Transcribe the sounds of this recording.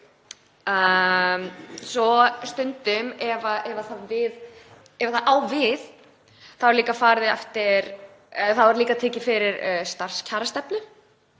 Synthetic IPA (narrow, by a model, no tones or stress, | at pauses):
œmsɔst̪ʏnt̪ʏmɛvaʔɛvaθaðvɪð | ɛvaθaðaːwvɪð | θaðvaɾliːkafaːɾðɪɛ̰ft̪ɪɾ | θaðvaɾliːkat̪ʰɛːcɪfɪɾɪɾst̪ar̥scʰaːɾast̪ɛpnʏ